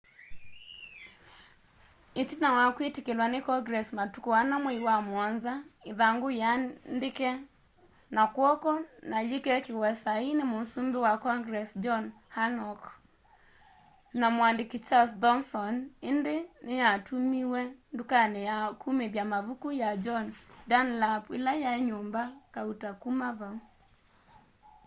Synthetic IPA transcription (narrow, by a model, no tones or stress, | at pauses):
etinawakwetikelwanekɔɡɾɛsmatukɔwanameiwamwanzaeðaŋɡojandekɛ | nakwɔkɔnalekɛkiwɛsainemosumbewakɔŋɡɾɛsd͡ʒɔn | hanɔk | namwandɪkit͡ʃasdɔŋsɔnɪndɪnɪjatʰumiwɛndukanɛjakʰumeðjamavukujad͡ʒɔndanlapɪ̰lajaeɲombakautakumavau